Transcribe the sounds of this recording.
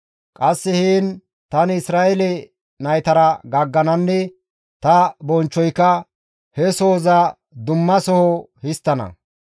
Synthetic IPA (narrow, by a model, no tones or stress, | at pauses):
kʼɐsːɛhiːn | t̪ɐnɪsɾaːɛlɛ | nɐjt̪ɐɾɐɡɐɡːɐnɐnːɛ | t̪ɐbɔnt͡ʃːɔjkːɐ | hɛsoːzɐ | d̪ʊmːɐsɔhɔhɪst̪ːɐnɐ̰